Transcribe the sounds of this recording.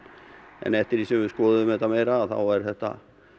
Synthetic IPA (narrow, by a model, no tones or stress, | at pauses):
ɛ̰nɛht̪ɪɾisɛvʏskɔːðʏʏmɛt̪amejɾaθa̰wɛɾ̥θɛht̪a̰